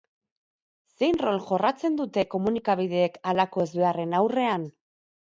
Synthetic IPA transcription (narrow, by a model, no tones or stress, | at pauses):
se̞jnro̞lʝo̞rat͡se̞nd̪ut̪e̞ko̞munikaβ̞iðe̞ːkalako̞ezβe̞are̞nawre̞an